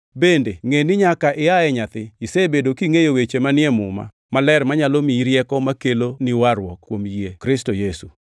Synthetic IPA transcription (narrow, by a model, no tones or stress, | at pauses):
bendeŋenɪɲakaʔɪjaɛɲat̪ɪisebedokiŋejowet͡ʃemanɪɛmʊma̰ | malɛɾmaɲalomiɾjɛkɔmakelonɪwaɾwɔkːwomjekɾɪstojesu